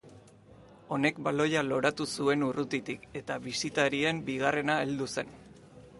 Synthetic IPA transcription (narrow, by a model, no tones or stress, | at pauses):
o̞ne̞kbalo̞jalo̞ɾat̪usue̞nurut̪it̪ike̞t̪aβisit̪aɾie̞mbiɣare̞nae̞ld̪use̞n